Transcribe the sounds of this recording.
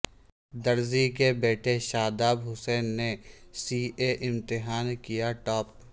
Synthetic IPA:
d̪ɐɾzikebeːʈʰeʃaːd̪aːbɦʊsɛːnːesiːʔeʔɪ̃mt̪ɪɦaːnkijaʈɔːp̚

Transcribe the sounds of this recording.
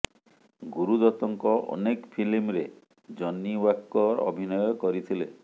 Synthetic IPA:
ɡuɾud̪ɔt̪ɔŋkɔʔɔ̰nekpʰilimɾe | d͡ʒɔnːiwakːɔɾɔ̰bʱinɔjɔkɔɾit̪ʰile

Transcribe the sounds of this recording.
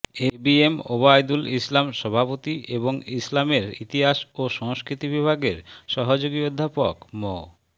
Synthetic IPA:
ebiemobajd̪ulislamʃɔbʱapot̪ieboŋislameɾit̪iɦaʃoʃɔŋskɾit̪ibibʱaɡeɾʃɔɦod͡ʑoɡiod̪ʱːapokmɔ

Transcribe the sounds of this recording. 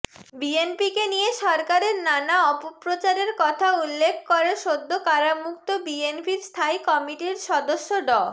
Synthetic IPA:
bienpikenijeʃɔɾkaɾeɾnanaɔpopɾot͡ɕaɾeɾkɔt̪ʰaulːekʰkoɾeʃod̪ʱːokaɾamukt̪obienpiɾst̪ʰajkɔmiʈiɾʃɔd̪oʃːoɖɔ

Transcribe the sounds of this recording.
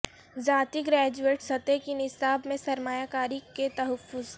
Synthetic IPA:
d͡ʒaːt̪iɡɾɛːd͡ʒueːʈsɐt̪ekinɪsaːbmẽsɐɾmaːjakaːɾiket̪ɐɦəfːʊz

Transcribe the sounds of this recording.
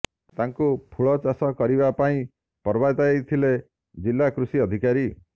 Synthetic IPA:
t̪aŋkupʰuɭɔt͡ʃasɔkɔɾibapaĩ | pɔɾbat̪aejt̪ʰile | d͡ʒilːakɾusiɔd̪ʱikaɾi

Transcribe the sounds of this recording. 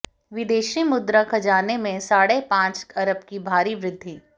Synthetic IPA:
ʋɪd̪eːʃimʊd̪ɾakʰɐd͡ʒaːnemẽsaːɽepãːt͡ʃɐɾəbkibʱaːɾiʋɾɪd̪ʱːiː

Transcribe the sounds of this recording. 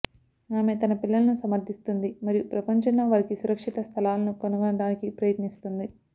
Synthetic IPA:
naːme̞ːt̪ɐnɐpilːɐlɐnusɐmɐɾd̪ʱist̪und̪imɐɾijupɾɐpɐɲt͡ʃɐnːoːʋɐːɾikisuɾɐkʂit̪ɐst̪ʰɐlaːlɐnukɐnuɡɐnɐɽaːnikipɾɐjɐt̪nist̪und̪i

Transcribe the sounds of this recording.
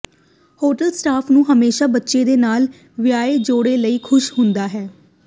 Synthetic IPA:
hoːʈəlsʈaːpʰnũːɦəmeːʃaːbətːʃeːd̪eːnaːl | ʋɪjaːeːd͡ʒoːɽeːləiːkʰʊʃɦʊnd̪aːɦɛː

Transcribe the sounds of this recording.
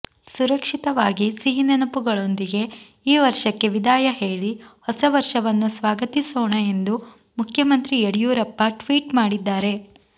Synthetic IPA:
suɾɐkʂit̪ɐʋaːɡisiɦinɐnɐpuɡɐɭo̞nd̪iɡe̞ | iːʋɐɾʃɐkːe̞ʋid̪aːjɐɦeːɭihɔsɐʋɐɾʂɐʋɐnːusʋaːɡɐt̪isoːɳɐe̞nd̪u | mukʰjɐmɐnt̪ɾieɽijuːɾɐpːɐʈʋiːʈmaːɽid̪ːaːɾe̞

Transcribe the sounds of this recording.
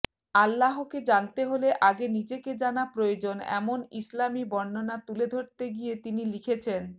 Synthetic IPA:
alːaɦoked͡ʑant̪eɦoleʔaɡenid͡ʑeked͡ʑanapɾood͡ʑonɛ̰monḭslamibɔnːonat̪uled̪ʱoɾt̪eɡijet̪inilikʰet͡ɕʰen

